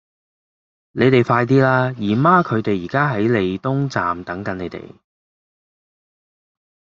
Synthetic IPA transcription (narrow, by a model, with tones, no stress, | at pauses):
ne˨˧jt̪e˨jfaː˧jt̪̬iː˥laː˥jiː˨˩maː˥kʰɵ˨˧ɥt̪e˨jːiː˨˩kaː˥ɦɐ˨˥jle˨˧jt̪ʊ˥ŋt͡sa̰ː˨mt̪ɐ˨˥ŋkɐ˨˥ne˨˧t̪ḛ˨˩j